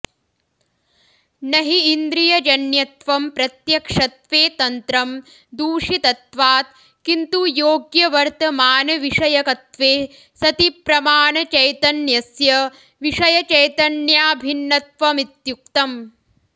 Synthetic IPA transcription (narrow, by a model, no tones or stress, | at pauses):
nɐɦiːnd̪ɾijɐd͡ʒɐnjɐt̪ʋɐmpɾɐt̪jɐkʂɐt̪ʋeːt̪ɐnt̪ɾɐm | d̪uːʂit̪ɐt̪ʋaːt̪̚ | kint̪ujoːɡjɐʋɐɾt̪ɐmaːnɐʋiʂɐjɐkɐt̪ʋeː | sɐt̪ipɾɐmaːnɐt͡ʃɐjt̪ɐnjɐsjɐ | ʋiʂɐjɐt͡ʃɐjt̪ɐnjaːbʱinːɐt̪̚ʋɐmit̪jukt̪ɐm